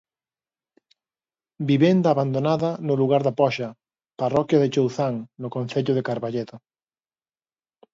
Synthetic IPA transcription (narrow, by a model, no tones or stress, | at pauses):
biβend̪aːβand̪onaðɐnʊluɣaɾðapɔʃɐ | parɔkjaðɪt͡ʃowθaŋnʊkonθeʎʊðɪkaɾβaʎeðo